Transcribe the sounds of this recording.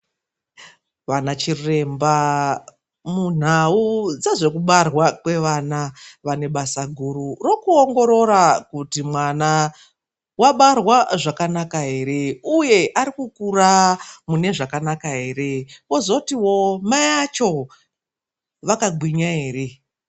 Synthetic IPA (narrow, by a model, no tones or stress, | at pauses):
ʋanat͡ʃire̞mba | mun̤aud͡zaʐe̞kuɓarwakwe̞ʋanaʋane̞ɓasaɡʱuɾuro̞kuoŋɡo̞ɾo̞ɾakutimwana | waɓarwaʐakanakaɦe̞ɾe̞uje̞ʔaɾikukuramune̞ʐakanakaɦe̞ːɾe̞wozokutiwo̞majat͡ʃo̞ | ʋakaɡwiɲaɦe̞ːre̞